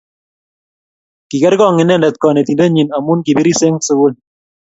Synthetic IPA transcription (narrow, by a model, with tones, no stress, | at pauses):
ki˨kɛ˦ɾkɔ˦˨ŋɪ˨nɛ˦˨ndɛ˨t̚kɔ˨ne˨ti˨nde˦ɲi˨na˨mu˦nki˨bi˦ɾi˦se˦ŋsʊ˦ɡʊ˦l